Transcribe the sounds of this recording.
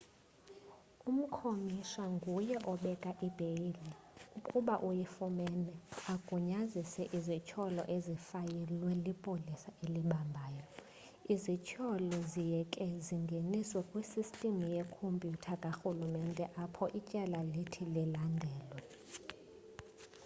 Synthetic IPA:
um̩kʰomiʃaŋɡʱujɛʔɔɓɛkʼaʔib̥ʱejiliukʼuɓaʔujifumɛnɛakʼuɲazisɛʔizit͡ʃʰɔlɔ̰ʔezifajɛlwɛlipʼolisaʔeliɓambʱaːjɔ | izit͡ʃʰɔlɔzijɛkʼɛziŋɡʱeniswɛkʼwisistʼimujɛkʰompʼjutʰakʼaxulumɛndʱʼɛʔapʰɔʔit͡ʃʼɛlalitʰililandʱɛːlwɛ

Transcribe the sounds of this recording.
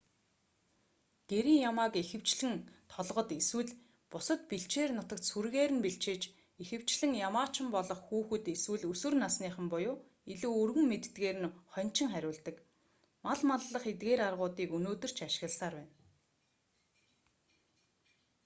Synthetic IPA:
ɡ̪̥eɾiːŋjamaːkexɘ̆w̥t͡ɕɮɘ̆ŋt̪ʰɔɮʁɞ̆t̪eswɘ̆ɮ | pʊsə̆t̪̚piɬt͡ɕeːrnʊt̪ə̆k̚t̪surɣeːɾɘ̆npiɬt͡ɕeːt͡ɕ | exɘ̆w̥t͡ɕɮɘ̆ŋjamaːt͡ɕɪ̆mpɔɮɞ̆χxuːxɘ̆t̪eswɘ̆ɮusɵ̆rnasniːχə̆mpʊjʊː | iɮuːɵrɣɘ̆ŋmet̪ɘt̪ɡeːɾɘ̆nχœn̥t͡ɕɪ̆ŋχæɾʲʊːɮt̪ə̆k | maɮmaɮːə̆χet̪ɡeːɾarʁʊːt̪iːkunoːt̪ɵ̆r̥t͡ɕʰaʃɪ̥̆ɣə̆ɮsaːrpæːn

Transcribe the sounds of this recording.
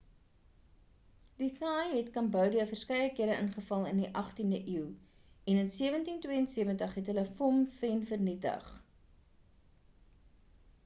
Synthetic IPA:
diθɑːjɦɛtkɐmbœwdiəfərskɛjəkiəɾəʔənχəfɐlˠəndiʔɐχtindəʔiwɛnənsiəvəntintwiəənsiəvəntəχɛtɦələfɔmfɛnfərnitə̰χ

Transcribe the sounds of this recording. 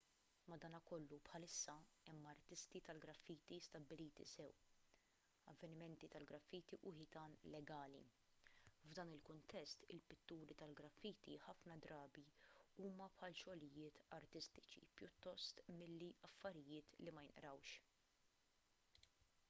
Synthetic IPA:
mɐd̪ɐːnɐkɔlːupħɐlɪsːɐɛmːɐɾt̪ɪst̪it̪ɐlɡɾɐfːiːt̪ist̪ɐbːɪliːt̪ḭsɛw | ɐ̰vːɛnɪmɛnt̪it̪ɐlɡɾɐfːiːt̪iʔʊħɪt̪ɐːnlɛɡɐːlḭ | vd̪ɐːnɪlkʊnt̪ɛst̪ɪ̰lpɪt̪ːuːɾit̪ɐlɡɾɐfːiːt̪iħɐfnɐd̪ɾɐːbiuːmɐpħɐlʃɔlɪjɪːt̪ɐɾt̪ɪst̪ɪ̥t͡ʃḭpjʊt̪ːɔst̪mɪlːiɐfːɐɾɪjɪːt̪limɐjɪnʔɾɐwʃ

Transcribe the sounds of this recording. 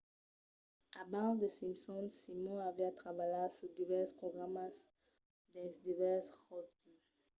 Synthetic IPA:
abaʁd̪əsĩmsɔ̃nsimɔ̃aviat̪ʁabajaʁsud̪ivɛʁspʁɔɡʁamas | d̪ɛ̃sd̪ivɛʁshɔlky

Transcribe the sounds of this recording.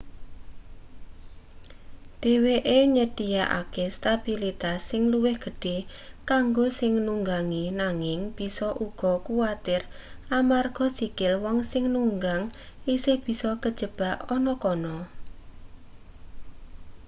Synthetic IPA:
d̪̥e̤weʔeɲəd̥ijaʔa̰kest̪ab̥ilit̪asːɪŋluwɪhɡ̥ə̤ɖ̥e | kaŋɡosɪŋnuŋɡaŋinaŋɪŋb̥i̤sɔʔuɡ̥ɔ̤kuwat̪ɪramarɡ̥ɔ̤sikɪlwɔŋsɪŋnuŋɡaŋ | isehb̥i̤sɔkəd̥ʒ̥ə̤b̥a̤ʔɔnɔkɔnɔ

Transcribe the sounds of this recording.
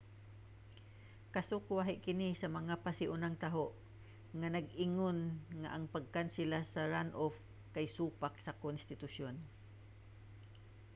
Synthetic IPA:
kasokwaɦɪʔkɪnisɐmɐŋapasɪʔʊnaŋt̪aɦoʔ | ŋanɐɡɪŋonŋa̰ʔaŋpaɡ̚kansɪlasaɹanʔof | kajsuːpak̚sakonst̪ɪt̪ʊʃon

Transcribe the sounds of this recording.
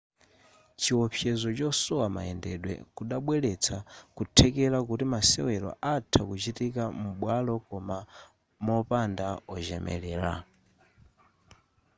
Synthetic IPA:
t͡ʃiɔpʰjɛzɔt͡ʃɔsɔwama̰ɛndɛɗwɛ̰kuɗaɓwɛlɛt͡sʰakutʰɛkɛɾakutimasɛ̰wɛɾɔ̰ʔatʰakut͡ʃitikam̩ɓwalɔkɔma | mɔpandaɔʒɛmʔɛ̰lɛːɾa̰

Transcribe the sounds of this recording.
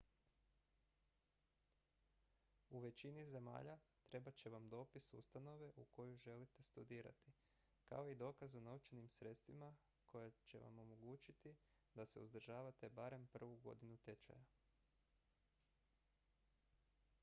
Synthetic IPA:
uʋe̞t͡ɕinize̞ma̰ːʎat̪ɾe̞bat͡ɕe̞ʋamd̪o̞ːpisṵst̪ano̞ʋe̞ʔuko̞juʒe̞lit̪e̞st̪ud̪iːɾa̰t̪i | ka̰o̞id̪o̞ːkazunaut͡ʃenimsɾe̞t̪st̪ʋima | kʰo̞jat͡ʃe̞̰ʋa̰mo̞mo̞ɡuːt͡ʃit̪i | d̪ase̞̰ṵzd̪r̩ʒaːʋat̪e̞baɾe̞mpr̩ʋuɡo̞̰d̪inut̪e̞t͡ʃa̰ja

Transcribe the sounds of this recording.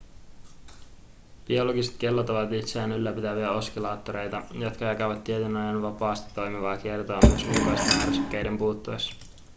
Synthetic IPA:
b̥io̞lo̞ɡiset̪k̟e̞lːot̪oʋɑt̪it̪seæːnylːæpit̪æʋiæo̞skilɑːt̪ːoɾe̞jt̪ɑjot̪kɑjɑkæʋɑt̪ːiet̪ynojenʋɑpɑːst̪it̪ːo̞jmiʋɑːk̟ie̞rt̪oɑmyøsmukɑjst̪enærsykːe̞jde̞mpuːt̪ːues

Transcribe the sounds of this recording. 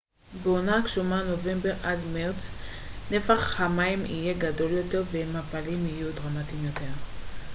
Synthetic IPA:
beonakʃumano̞ve̞mbe̞ʁadmaʁt͡s | ne̞faχhamaimḭje̞ɡado̞ljo̞te̞ʁvemapalimijudʁamatimjo̞te̞ʁ

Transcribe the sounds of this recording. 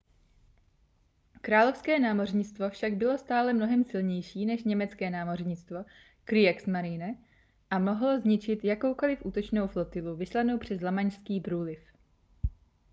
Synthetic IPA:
kɾaːlo̞fskɛːnaːmo̞rɲɪt͡st̪vo̞fʃaɡbɪlo̞st̪aːlɛmno̞ɦɛmsɪlɲɛjʃiːnɛʃɲɛmɛt͡skɛːnaːmo̞rɲɪt͡st̪vo̞ | kɾɪɛksmaɾɪːnɛ | ʔamo̞ɦlozɲɪt͡ʃɪt̪jako̞wko̞lɪfʔuːt̪o̞t͡ʃno̞wflot̪ɪluvɪslano̞wpr̝̥ɛzlamaɲʃskiːbɾuːlɪf

